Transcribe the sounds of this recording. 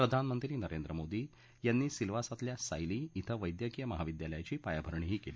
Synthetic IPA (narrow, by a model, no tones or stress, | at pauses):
pɾəd̪ʱanmənt̪ɾiːnəɾend̪ɾəmod̪iː | janːiːsilʋasat̪ljasa̰jliːt̪ʰəʋəjd̪jəkijəməɦaʋid̪jaləjat͡ɕiːpajabʱəɾɳ̃iːɦiːkeli